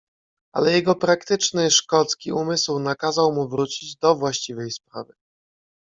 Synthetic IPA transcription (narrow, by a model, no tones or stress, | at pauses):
ʔa̰lɛjɛɡɔpɾakt̪ɘt͡ʂnɘʂkɔt̪skʲiumɘswnakazawmuvɾut͡ɕid͡ʑd̪ɔvwaɕt͡ɕivɛjspɾa̰vɘ